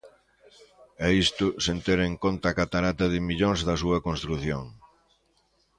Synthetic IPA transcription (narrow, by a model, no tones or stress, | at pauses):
ɛist̪ʊsent̪eɾeŋkont̪aːkat̪aɾat̪ɐðɪmiʎoŋzðɐsuɐkõnst̪ɾuθjoŋ